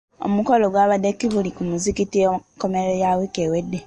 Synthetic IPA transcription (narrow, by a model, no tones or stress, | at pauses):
o̰mukɔloɡwaβadekiβulikumuzikitikɔmeɾɛjawekewedːe